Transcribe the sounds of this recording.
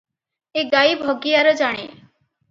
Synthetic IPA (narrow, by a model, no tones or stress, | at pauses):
eɡajbʱɔɡijaɾɔd͡ʒaɽ̃e